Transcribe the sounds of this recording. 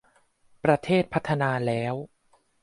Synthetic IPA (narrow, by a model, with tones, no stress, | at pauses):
pɾa˧t̪ʰeː˥˩t̪̚pʰa˦˥t̪ʰːa˧naː˧lɛː˦˥w